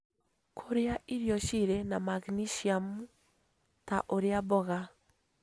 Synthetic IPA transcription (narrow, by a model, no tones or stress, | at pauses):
kʰoɾeaʔiɾjɔʃiɾɛnamaɡniʃiamu | taʔoɾeabɔɣa